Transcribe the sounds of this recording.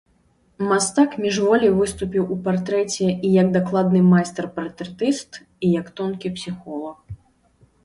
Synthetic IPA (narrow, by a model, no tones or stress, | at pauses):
mast̪akmʲiʐvɔlʲijvɨst̪upʲiwupart̪ɾɛt͡sʲɛijɐɡ̚d̪aklˠad̪nɨmajst̪ɛrpart̪ɾɛt̪ɨst̪ | ijɐkt̪ɔnkʲipsʲixɔlˠɐx